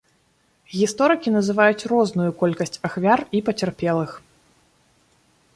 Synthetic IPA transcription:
ɣʲist̪ɔɾɨkʲinɐzɨvajut͡sʲrɔznujukɔlʲkɐsʲt͡sʲaxvʲaripɐt͡sʲɛrpʲɛlˠɨx

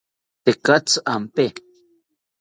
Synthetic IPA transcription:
t̪ekat͡sampe

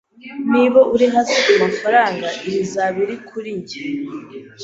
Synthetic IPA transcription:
niβoʔuɾiɦaziʔamafaɾaːŋɡaʔiɾizaβiɾikʰuɾiɲɟe

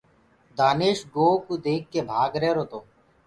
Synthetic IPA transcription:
d̪aːneːʃɡoːkud̪eːkːeːbʱaːɡɾeːɾoːt̪oː

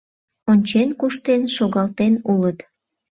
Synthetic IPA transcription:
onʲt͡ɕenkuʃt̪enʃoɣɑlt̪enulət̪

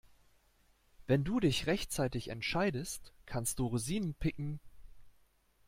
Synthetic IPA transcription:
vɛnduːdɪçʁɛçt͡saɪtɪçɛ̰ntʃaɪdəstkʰanstd̥uːʁuziːnənpʰɪkŋ̩

